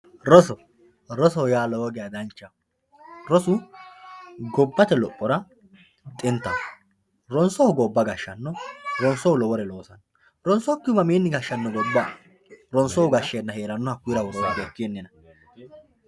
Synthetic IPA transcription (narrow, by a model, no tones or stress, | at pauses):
ɾɔsɔ | ɾɔsɔjaːlɔoɡɛjɐd̪ɐnt͡ʃːɐ | ɾɔsʊ | ɡɔbːɐt̪ɛlɔpʼːɔɾɐ | t̪ʼɪnt̪ːɐn | ɾɔnsɔhʊɡɔbːɐɡɐʃːɐnːɔɾɔnsɔʊlɔwɔɾɛlo̞ːsɐn | ɾɔnsɔkːɪʊmɐmiːnːɪɡɐʃːɐnːɔɡɔbːɐ | ɾɔnsɔʊɡɐʃːenːɐheːɾɐnːɔhɐkːʊjɾɐwɔɾɔwad̪ekːɪɛnːɛnɐ